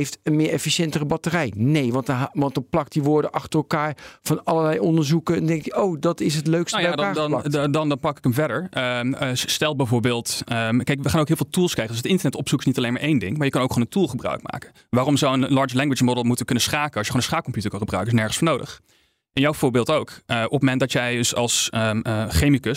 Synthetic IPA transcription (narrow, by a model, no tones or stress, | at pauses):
ejftənmɪːɹɛfiʃɛntərəbɑtərɛjnejʋɑntʋɑntɔplɑktdiʋʊːɹdəʔɑχtəɹrəlˠkaːɹv̥ɑnɑləlɛjɔndəɹzukəɛndɛŋkəʔowdɑtɪs̬ɦətløɥkstnjɛdaːnɑdndɑnpɑkɪ̥kəmvɛɹdəɹ | stɛlˠbɛjvʊːɹbɪːlˠtəkɛjkʋəχaːnowkɦɪlvɪlˠtulˠskrɛjχədsətɪntəɹnɛtɔpsukɪsnitɑlejnmaɹʔejndɪŋmaːɹjəkɑnowkχooːnəntulˠχəbrœ̰ɥk̚ma̰ːkə | ʋaːrɔmzowənlɑɹt͡ʃlɛŋɡʋɪt͡ʃəmɔdəlˠmutəkɵnənsχaːkəɑsʃjəχoːnənsχaːk̚kɔmpjutəɹkɑ̃nχəbrœɥkəɪsnɛɹχənsfoːɹnowdə̰χ | ʔɛnjawvʊːɹbɪːlˠtowkəʔɔpmɛnt̚dɑtjɛjəsɑ̰lˠs | χejmikəs